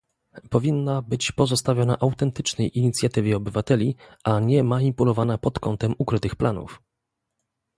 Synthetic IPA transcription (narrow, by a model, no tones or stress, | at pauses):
pɔvʲinːabɘt͡ɕpɔzɔst̪avʲjɔna̰ʔawt̪ɛnt̪ɘt͡ʂnɛjʔiɲit̪sʲjat̪ɘvʲjɛɔbɘvat̪ɛlʲiʔaɲɛmaɲipulɔvanapɔt̪kɔnt̪ɛmukɾɘt̪ɘxplanṵf